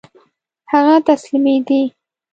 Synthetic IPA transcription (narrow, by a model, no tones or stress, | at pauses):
haɣat̪aslimeɡi